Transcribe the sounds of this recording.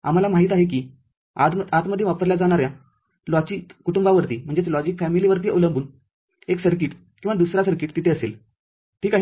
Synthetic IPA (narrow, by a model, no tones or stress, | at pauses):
a̰m̤alamaɦiːt̪aɦek̬iː | a̰t̪at̪məd̪ʱːjeʋapəɾljad͡zaɽ̃aɾjã | lɔt͡ɕiːkuʈumbaʋəɾt̪iːm̤əɳd͡zet̪lɔd͡ʑikfæmiliʋəɾt̪̬iʔoləmbʱuːn | eksəɾk̬iːʈ | kĩw̃ʋad̪usɾasəɾkiːʈt̪it̪ʰeəsḛl | ʈʰiːkaɦ